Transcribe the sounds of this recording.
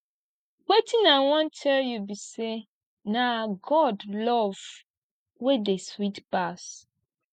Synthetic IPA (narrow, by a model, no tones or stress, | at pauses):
wetĩnãwɔ̃ntʰɛljubise | naɡɔdlɔv | wedeswitbas